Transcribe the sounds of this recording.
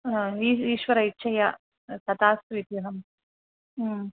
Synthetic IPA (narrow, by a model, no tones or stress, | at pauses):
iːiːʃʋɐɾɐit͡ʃʰːɐjɐ | t̪ɐt̪aːsʋit̪juɦɐmː